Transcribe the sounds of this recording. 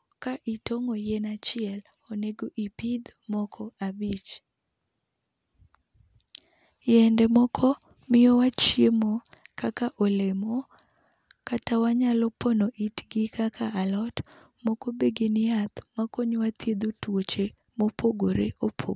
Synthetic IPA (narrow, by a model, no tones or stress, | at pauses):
kaʔitoŋojɛnat͡ʃɪɛl | oneɡoʔipid̪mɔkʰɔabit͡ʃ | jɛndɛmɔkʰɔ | mɪjɔwat͡ʃjemokakaʔolemo | katawaɲalɔpɔnoʔitɡikakʰaalɔt | mɔkobeɡenɪat̪makoɲwat̪jed̪otwot͡ʃe | mopʰoɡoɾeopʰo̰